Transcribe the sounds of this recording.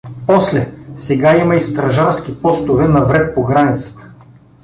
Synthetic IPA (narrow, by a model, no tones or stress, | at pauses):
pɔslɛsɛɡaimɐist̪ɾɐʒaɾsk̟ipɔst̪ʊvɛnɐvɾɛt̪̚poɡɾanit̪sə̥t̪ə̥